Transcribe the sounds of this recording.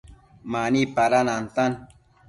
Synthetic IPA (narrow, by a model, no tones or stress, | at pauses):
manipaɾanant̪an